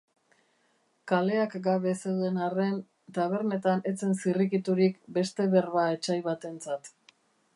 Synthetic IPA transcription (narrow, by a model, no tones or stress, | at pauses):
kale̞akɡaβe̞sewðe̞nare̞n | t̪aβ̞e̞ɾne̞t̪ane̞t͡se̞nsirikit̪uɾikbe̞st̪e̞βe̞rβae̞t͡ʃajβat̪e̞nt͡sat̪